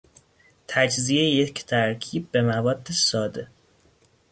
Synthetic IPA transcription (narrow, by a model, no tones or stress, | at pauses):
t̪ʰæd͡ʒziejecʰt̪ʰæɾcʰiːb̚ːe̞mævɒːd̪ːesɒːd̪e̞